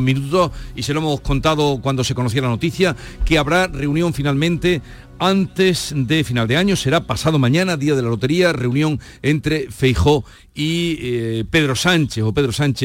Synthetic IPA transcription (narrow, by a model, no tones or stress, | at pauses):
mĩnut̪o̞hise̞loemohko̞nt̪aðo̞kwand̪ose̞ko̞noθ̬jalano̞t̪iθjakeaβɾare̞unjoɱfinalmẽnt̪e̞ | ant̪e̞sd̪e̞finald̪e̞aɲo̞se̞ɾapasaðo̞mãɲãnaðiað̞e̞lalo̞t̪e̞ɾiare̞unjõ̞ŋ | e̞nt̪ɾe̞fe̞jxo̞ | i | pe̞ðɾo̞sant͡ʃeso̞pe̞ðɾo̞sãnt͡ʃe